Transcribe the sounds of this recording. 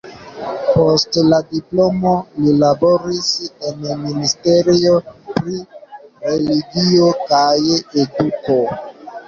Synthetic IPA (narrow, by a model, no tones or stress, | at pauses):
po̞stladiplo̞mo̞lilabo̞ɾise̞nministeɾio̞pɾiɾe̞liɡio̞kajeduko̞